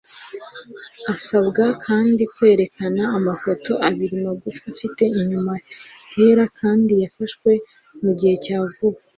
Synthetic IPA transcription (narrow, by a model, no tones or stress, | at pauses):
asabɡakʰaːndikwe̞ːɾe̞kanaːmafo̞to̞ʔaβiɾimoɡufafite̞iɲuma | he̞ɾakʰaːndijafaʃkwe̞ | muɟihe̞caːvua